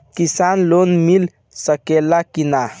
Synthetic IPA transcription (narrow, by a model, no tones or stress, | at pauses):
kisanlonmil | səkelakina